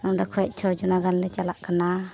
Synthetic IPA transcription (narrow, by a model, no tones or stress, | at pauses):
nɔŋdakʰɔjɛʔ̚t͡ʃʰɔd͡ʒunaɡanlɛt͡ʃalaʔkana